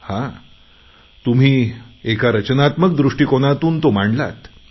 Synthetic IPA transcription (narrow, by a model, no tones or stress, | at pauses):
hã | t̪um̤iːekaɾət͡ɕənat̪mək̚d̪ɾuʂʈiːkoɽ̃at̪uːnt̪omaɳla̰t̪